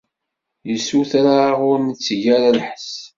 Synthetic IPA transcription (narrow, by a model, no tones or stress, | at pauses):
jəsːuθaɾaʁʊɾnət͡sːʝaɾalħəs